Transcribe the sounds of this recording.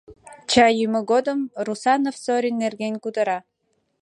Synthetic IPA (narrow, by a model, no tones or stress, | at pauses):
t͡ɕɑjyməɡod̪əmrusɑnofsoɾʲinːerɡʲenʲkud̪əɾɑ